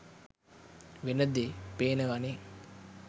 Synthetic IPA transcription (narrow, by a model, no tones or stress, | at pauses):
ʋenəd̪epeːnəʋane